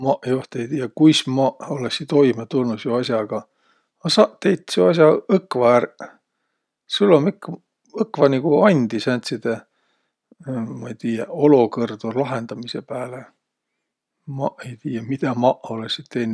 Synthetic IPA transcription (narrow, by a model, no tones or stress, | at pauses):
mɑʔjoht̪ejt̪iːjɑkujsmɑʔoleksit̪o̞jmet̪ulnusjuɑsʲjɑɡ̥ɑ | ɑsɑːʔt̪e̞jt̪ːsuɑs̬jɑɤkːˑvɑær | sulːomikː | ɤkːvɑniɡ̥uɑnʲd̪̥isænʲt̪ʲsid̪̥e | mɑejt̪iːjɑo̞lokɤrd̪̥ulɑɦe̞nd̪̥ɑmisepæːle | mɑʔe̞jt̪iːjɑmid̪̥ɑmɑʔo̞leksit̪t̪ːejn